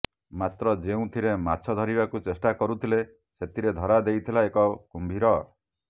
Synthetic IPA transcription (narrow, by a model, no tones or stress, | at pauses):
mat̪ɾɔd͡ʒeũt̪ʰiɾemat͡ʃʰɔd̪ʱɔɾibakut͡ʃesʈakɔɾut̪ʰile | set̪ʰiɾed̪ʱɔɾad̪ejt̪ʰilaekɔkumbʱiɾɔ